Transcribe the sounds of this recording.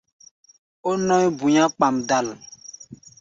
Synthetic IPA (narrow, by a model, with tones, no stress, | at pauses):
o˦nɔ̃˦i˦bu˨ɲã˦k͡pa˨mda˨l